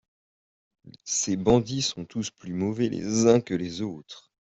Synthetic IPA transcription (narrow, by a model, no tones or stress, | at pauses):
sebɑ̃d̪isɔ̃t̪usplymɔvɛlḛzɛ̃kəlezoːt̪χ